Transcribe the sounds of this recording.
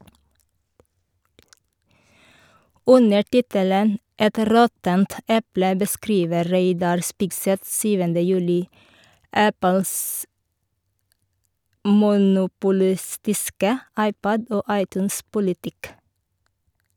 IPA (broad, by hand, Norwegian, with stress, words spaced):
ˈʉnə ˈʈɪtələn ˈɛt ˈɾɔtənt ˈɛplə bəˈskɾiːʋə ˈɾeɪdɑɾ ˈspɪɡˌsɛθ ˈsyːʋəndə ˈjʉːlɪ ˈæpəls mʊnʊpʊˈlɪstɪskə ˈɑɪˌpɔd ˈoː ˈɑɪˌtʉːnˌspʊlɪtɪk